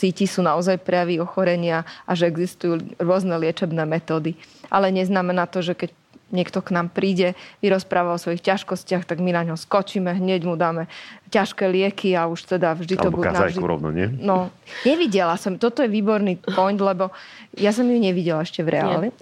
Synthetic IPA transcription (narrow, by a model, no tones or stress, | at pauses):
siːcisuːnaɔzajpɾɛjaʋiɔxɔɾɛɲɪaʔaʒɛɛɡzist̪ujuːɾʊɔznɛlɪɛt͡ʃɛbnɛːmɛt̪ɔːd̪iʔalɛɲɛznamɛnaːt̪ɔʒɛkɛc̚ | ɲɪɛkt̪ɔknaːmpɾiːɟɛʋiɾɔspɾʔaːʋaɔsʋɔjixcaʃkɔscɪaxt̪aɡminaɲɦɔskɔt͡ʃimɛɦɲɛɟmud̪aːmɛcaʃkɛːlɪɛkʰiauʃt̪ɛd̪avʒd̪iɔbbuka̰nzaaʒdiɾɔ̰nɔ̰ɲɪɛ̰nɔɲɛʋiɟɛlasɔmt̪ɔt̪ɔjɛʋiːbɔɾnipɔjnd̪lɛbɔjas̬ɔmjuɲɛʋiɟɛlaɛʃcɛvɾʔɛ̰a̰li